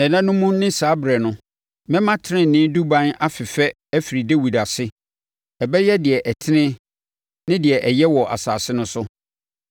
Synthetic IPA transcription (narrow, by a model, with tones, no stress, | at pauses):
ɛ̃˨nã˦nʊ̃˦mũ˦nɪ̃˦saː˨˦bɪ˨ɾɛ˨nʊ̃˦ | mɛ̃˦mã˦tʰɪ˦ɾɪ̃˦˨nɪ̃ː˦du˦bã˦na˦fɪ˨fɛ˦ | ɛ˦fi˨ɾi˨de˦wu˨da˨sɪ˦ | ɛ˨bɛ˦jɛ˦dɪ˨ɛ˨ʔɛ˨tʰɪ˦nɪ̃˦ | nɪ̃˦dɪ˨ɛ˨ʔɛ˨jɛ˦wɔ˨ʔa̰˨sa̰ː˨sɪ˦nʊ̃˦sʊ˦